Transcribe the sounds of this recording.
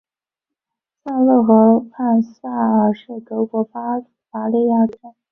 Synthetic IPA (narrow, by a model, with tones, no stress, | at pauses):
sa˥˧lɤ˥˩xɤ˧˥pʰa˥˩nsa˥˩ə˨˩ʂɻ̩˥˩k̪ɤ˧˥kwɔ˧˥f | fa˧˥li˥˧ja˥˩ʈ͡ʂə˥